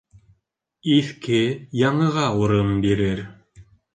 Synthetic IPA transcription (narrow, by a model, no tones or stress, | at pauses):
iθkɘjɑɴɤ̆ʁɑuɾɤmbiɾɘɾ